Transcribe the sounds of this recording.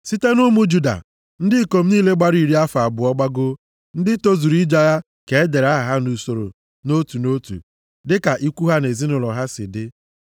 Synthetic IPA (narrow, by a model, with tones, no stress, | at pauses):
si˦te˦nu˦mu˦d͡ʒu˦da̰˨ | n̩˦dɪ˦˨ko˨m̩˦niː˦le˦ɡ͡ba˦ɾi˨ɾi˦a˦fa˨a˨bʊ˨ɔ˦ɡ͡ba˦ɡʊ˦ | n̩˦dɪ˦to˦zu˨ɾi˦d͡ʒa˦ja˦ | ke˨e˦de˨ɾa˦ɦa˨ɦa˦nu˨so˨ɾo̰˨ | no˦tu˨no˦tṵ˨ | dɪ˦ka˨ʔi˦kʷu˦ɦa˦ne˨zi˦nʊ˨lɔ˨ɦa˦sɪ̰˨dɪ˦